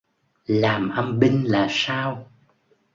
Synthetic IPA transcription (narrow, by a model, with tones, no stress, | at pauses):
laː˨˩mʔə˧mɓï˧ŋ̟laː˨˩saː˧w